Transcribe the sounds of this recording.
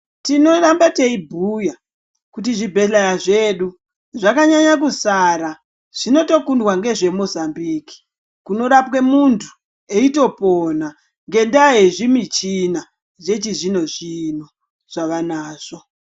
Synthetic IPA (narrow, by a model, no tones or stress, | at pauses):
tino̞rambate̞ibʱuja | kutiʐibʱe̞ɬajaʐe̞ɗu | ʐakaɲaɲakusaɾa | ʐ̥ino̞to̞kundwaŋɡe̞ʐe̞mo̞zambiːki̥ | kuno̞ɾapwe̞muntʰu̥ | eito̞pona | ŋɡe̞ndaɦeʐimit͡ʃina | d͡ʒe̞t͡ʃiʐino̞ʐino̞ | ʐ̥aʋanaːʐ̥o̞